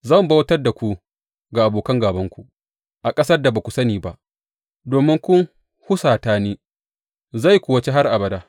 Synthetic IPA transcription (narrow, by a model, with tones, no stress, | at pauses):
zɐ˦˨mbɐ˦wtɐ˦rda˨kʷu˦ | ɡa˨ʔa˨boː˨kɐ˦ŋɡaː˨bɐ˦ŋkʷu˨ | ʔa˨kʼɐ˦sɐ˦rda˨baː˨kʷu˨sɐ˦niː˨ba˦ʔ | doː˨mɪ˦ŋkʷʊ˦ŋ | hʊ˦saː˨taː˦niː˦ | za˦˨jkʷʊː˨wɐ˦t͡ʃe˦ɦa˦rʔa˨bɐ˨daː˦